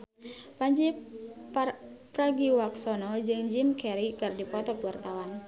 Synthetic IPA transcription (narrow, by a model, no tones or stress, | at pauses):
paɲd͡ʒi | pɾaɡiwaksɔnɔd͡ʒɨŋd͡ʒimkɛɾikɨrdipɔt̪ɔpuwart̪awan